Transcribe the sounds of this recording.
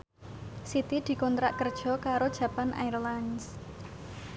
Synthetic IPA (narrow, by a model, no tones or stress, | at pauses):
sit̪id̪̥i̤kɔnt̪ɾaʔkərd̥ʒ̥ɔ̤kaɾod̥ʒ̥ä̤panʔa̰irlans